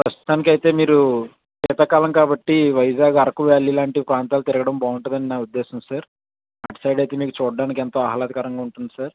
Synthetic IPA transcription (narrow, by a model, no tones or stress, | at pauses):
pɾɐst̪u̥t̪aːnikɐjt̪e̞ːmiːɾu | kɛːt̪ɐkaːlɐmkaːbɐʈːiʋɐjd͡ʒaːɡɐɾɐkuʋaːlilaːɳʈipɾaːnt̪aːlut̪iɾɐɡɐɽɐmbaːuɳʈɐd̪ɐninaːud̪ːeːsɐmisaːɾ | a̰ʈsɐjɖɐjt̪e̞ːmiːkut͡ʃuːɖːaːnikɛnt̪o̞ːɐɦɐlaːd̪ʱikaːɾɐŋɡaːuɳʈund̪isaːɾ